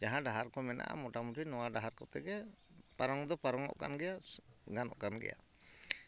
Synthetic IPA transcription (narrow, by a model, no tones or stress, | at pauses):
d͡ʒaɦãɖaɦaɾkɔmɛna̰ʔa̰mɔʈamutinɔwaɖaɦaɾkɔt̪ɛɡɛpaɾɔŋd̪ɔpaɾɔŋɔ̰ʔka̰nɡɛjaɡanɔ̰ʔkanɡɛ̰ja̰